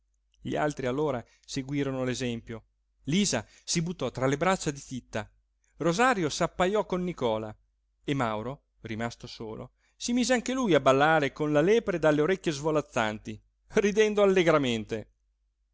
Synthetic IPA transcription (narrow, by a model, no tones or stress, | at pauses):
ʎḭa̰lt̪ɾialːoːɾa | seɡwiːɾonolezɛmpjo | liːza | sibut̪ːɔt̪ɾalebɾat͡ʃːad̪it̪it̪ːa | rozaɾjosapːajɔkːonːikɔːla̰ | emawɾo | rimast̪osoːlo̰ | simiːzeaŋkelujabalːaːɾekonlalɛːpɾed̪alːeoɾɛkʲːjezvolat̪sːa̰nt̪i | rid̪ɛnd̪oalːeɡɾament̪e